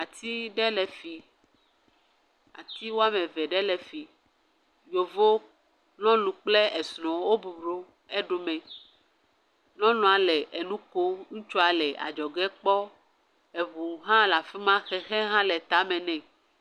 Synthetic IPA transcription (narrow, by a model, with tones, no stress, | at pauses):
a˨t̪i˦ɖɛ˦lɛ˨fi˨ | a̰˨t̪i˦wo˦a˦mẽ˨vɛ˨ɖɛ˦lɛ˨fi˨ | jo˨vo˦ | nɔ̃˦lũ˨k͡plɛ˦ɛ˨snɔ̃˨wo˦bu˨bɾo˦ | ɛ˦ɖo˨mɛ̃˨ | nɔ̃˦nɔ̃˨a˨lɛ˨ʔɛ˨nũ˦ko˦ŋũ˦t͡ʃɔ˦a˨lɛ˨ʔa̰˨d͡ʒɔ˨ɡɛ˦k͡pɔ˦ | e˨βu˨ɦã˦la˨fɛ˦mã˦xɛ˨xɛ˦ɦã˦lɛ˨t̪a˨˦mɛ̃˨nɛ̃˨